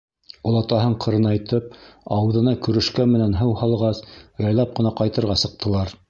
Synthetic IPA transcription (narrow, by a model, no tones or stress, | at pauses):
ŏlˠɑt̪ɑɦɤɴqʰɤ̆ɾɤ̆nɑjt̪ɤp̚ɑw̆ðɤ̆nɑkɵ̆ɾɘ̆ʃkænmɘ̆nænɦɤwhɑlˠʁɑsjɑjlˠɑp̚qɤ̆nɑqɑjt̪ɤ̆ɾʁɑsɤ̆q̚t̪ʰɤ̆lˠɑɾ